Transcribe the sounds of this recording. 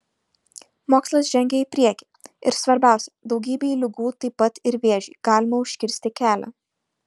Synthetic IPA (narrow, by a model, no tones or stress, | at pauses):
moːkslˠɐs̬ʒʲɛŋʲɡʲɛiːpʲɾʲiɛkʲi | ɪ̰ɾsʋɐɾʲbʲæˑʊsʲɛd̪ɒʊɡʲiːbʲeːiːlʲɪɡuːt̪ɐɪpːɐt̪ɪɾʋʲeːɛʒʲḭːɡ̥ɑːlʲɪmɐʊʃʲkʲɪɾʲsʲt̪ʲɪkʲæːlʲɛ̰